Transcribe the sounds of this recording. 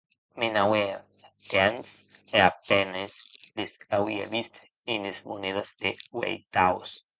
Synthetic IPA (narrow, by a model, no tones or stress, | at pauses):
menawea | t̪eans | eapenesd̪esawia̰βist̪ʰe̥ | enesmoneðasd̪ewḛjt̪aos